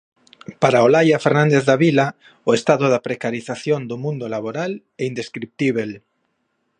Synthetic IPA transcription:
paɾaolajafeɾnãnd̪eθðaβila | oest̪aðʊðapɾekaɾiθaθjond̪ʊmũnd̪ʊlaβoɾal | ɛind̪eskɾip̚t̪iβel

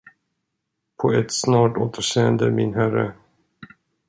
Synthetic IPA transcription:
pʰɔɛt̪snɑːʈoːt̪ʰəʂeːənd̪əmɪnɦærːə̰

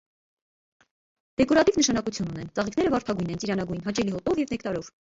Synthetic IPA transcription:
d̪̥ɛkɔɾɑt̪ivnəʃɑnɑkut͡sʰjununɛnt͡sɑʁikʰnɛɾəvɑɾt̪ʰɑɡujnɛnt͡siɾɑnɑɡujnɦɑt͡ʃɛliɦɔt̪ɔvjɛvnɛkt̪ɑɾɔv

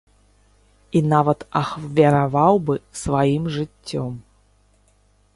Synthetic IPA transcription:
inavɐt̪ɐxvʲɐɾavawbɨsvajimʐɨt͡sʲːɔm

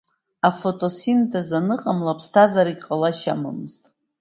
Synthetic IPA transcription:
afotʼo̞sintʰazanɨqʼamlapʰstʰazaɾiɡʲqʼalaʃa̰ma̰mɨztʼ

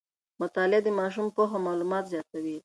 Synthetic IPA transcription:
mʊt̪ɑlɪd̪əmɑʃ̬umpoxomɑlumɑt̪zjɑt̪awi

